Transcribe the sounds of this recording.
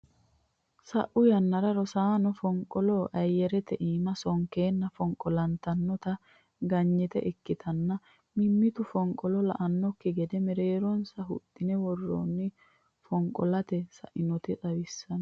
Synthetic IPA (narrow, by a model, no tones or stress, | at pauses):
sɐʔʊjɐnːɐɾɐɾɔsaːnɔfɔŋkʼːɔlɔʔɐjːɛɾɛt̪ɛʔiːmɐsɔŋkeːnːɐfɔŋkʼːɔlɐnt̪ɐnːɔt̪ɐ | ɡɐɲːɛt̪ɛ̰ʔɪkːɪt̪ʰɐnːɐ | mɪmːɪt̪ʊfɔŋkʼːɔlɔlɐ̰ʔɐnːɔkːɪɡɛd̪ɛmɛɾeːɾɔnsɐɦʊ̰t̪ʼːɪnɛwɔrːo̰ːnːɪ | fɔŋkʼɔlɐt̪ɛsɐ̰ʔɪnɔt̪ɛtʼɐwɪsːɐn